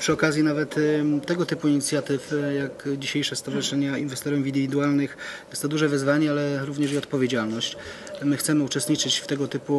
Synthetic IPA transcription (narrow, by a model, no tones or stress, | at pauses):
pʂɘɔkazʲjinavɛt̪t̪ːɛɡɔt̪ɘpuiɲit̪sʲjat̪ɘfjakd͡ʑiɕejʂɛst̪ɔvaʐɨʂɛɲainvɛst̪ɔɾɛmvind̪vʲid̪ualnɘxjɛst̪ɔd̪uʐɛvɘzvaɲɛalɛɾuvɲɛʐiɔt̪pɔvʲjed͡ʑalnɔɕt͡ɕ | mɘxt̪sɛmɘut͡ʂɛst̪ɲit͡ʂɘt͡ɕft̪ɛɡɔt̪ɘpu